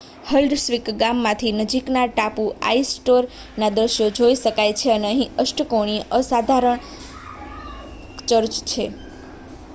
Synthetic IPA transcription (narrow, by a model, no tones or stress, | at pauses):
helɖsʋikɡamːãt̪ʰinəd͡ʒiknaʈapua̰isʈoɾ | nad̪ɾəʃjod͡ʒoiʃəkajt͡ʃʰeəneəɦĩəʃʈəkoɳ̃iʔəsad̪ʱaɾəɳ | t͡ʃəɾt͡ʃt͡ʃʰe